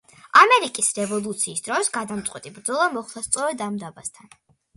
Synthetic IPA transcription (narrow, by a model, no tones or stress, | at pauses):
amɛɾikʼisɾɛvɔlˠut̪sʰiːsd̪ɾɔsɡad̪amt̪sʼqʼwɛt̪ʼibɾd̪zɔlˠamɔχlˠast̪sʼɔɾɛd̪amd̪abast̪ʰan